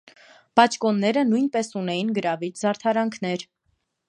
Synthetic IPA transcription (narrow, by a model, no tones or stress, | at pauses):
pɑt͡ʃʰkɔnːɛɾənujnpɛsunɛjinɡəɾɑvit͡ʃzɑɾt̪ʰɑɾɑŋkʰnɛɾ